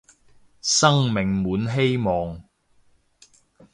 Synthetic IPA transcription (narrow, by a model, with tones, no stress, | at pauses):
sɐ˥ŋmɪ˨ŋmuː˨˥nɦe˥jmɔː˨ŋ